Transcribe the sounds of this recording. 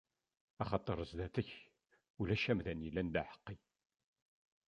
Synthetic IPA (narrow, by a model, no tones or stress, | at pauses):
ɑχɑt̪ˤːəɾˤəzd̪æθəç | ulæʃæmðænjilːænd̪æħə̥qːi